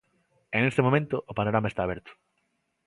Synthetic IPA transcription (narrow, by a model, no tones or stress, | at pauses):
enest̪emomẽnt̪ʊʔopanoɾamaest̪aːβɛɾt̪ʊ̥